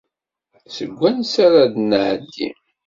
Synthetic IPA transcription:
səɡʷːænsaɾad̪nʕd̪ːḭ

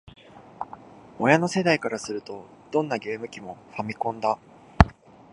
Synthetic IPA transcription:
o̞jano̞se̞d̪aikaɾasɨɾɯ̟t̪o̞d̪̥õ̞nːaɡe̞ːmɯ̟kʲimo̞ɸamʲikõ̞nd̪a

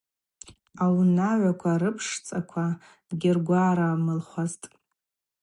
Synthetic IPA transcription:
awnaʕʷakʷʰaɾɨpʰʂt͡sʼakʷʰa | ɡʲɪrɡʷaːɾamɨlχʷaztʼ

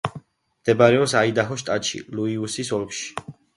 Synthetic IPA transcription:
md̪̥ɛbaɾɛɔpsaid̪aɦɔʃt̪ʼat̪ʃḭluiusisɔlˠkʃi̥

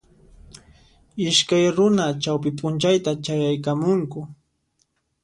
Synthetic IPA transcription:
ɪʃkajɾʊnat͡ʃawp̬ɪpʼʊnt͡ʃajt̪at͡ʃajajkamʊŋkʊ

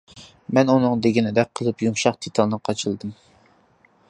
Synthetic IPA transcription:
mɛnunɨŋd̪eɡʲinɪd̪ɛk̚ʲqʰːəlˠɨpjumʃɑqt̪ʰet̪ʰɑlˠnɨqʰɑt͡ʃʰɨlˠd̪ɨm

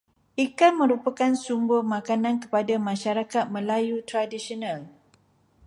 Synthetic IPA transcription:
ʔikanmə̃ɾupakansumbʊhmãkanãnkə̥padamãʃaɾakat̪̚mə̃lajut̪ɾadisionãl

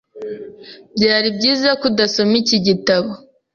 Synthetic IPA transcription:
bɟaːɾibɟiːzakudaso̞miciɟitaβo

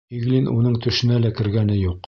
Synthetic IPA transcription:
iɡlinʔunɤɴt̪ɵ̆ʃɘ̆nælækɘ̆ɾɡænɘjuq

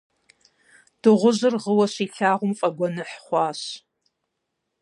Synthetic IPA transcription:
d̥ɨʁʷʊʑɨrʁəwɐɕiːɬaːʁʷʊmfʼɐɡʷɔnɨħχʷɑːɕ

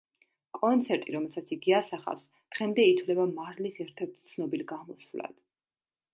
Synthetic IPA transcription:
kʼɔnt̪sʰɛɾt̪ʼiɾɔmɛlˠsat̪sʰiɡiasaχa̰fs | d̪̥ʁɛmd̪ɛit̪ʰvlɛbamaɾlisɛɾt̪ʰɛɾt̪̚ʰt̪sʰnɔbilɡamɔsvla̰d̪̥

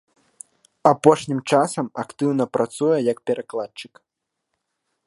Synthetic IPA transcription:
apɔʂnʲimt͡ʂasɐmakt̪ɨwnɐpɾʔat̪sujɛjɐk̚pʲɛɾʔaklˠat͡ʂɨk

